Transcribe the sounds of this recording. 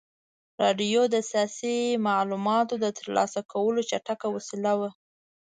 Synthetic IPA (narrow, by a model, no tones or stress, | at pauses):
ɾɑɖijod̪əsjɑsimɑʕlumɑt̪od̪ət̪əɾlɑ̰sakʰawəlot͡ʃaʈakawasilawa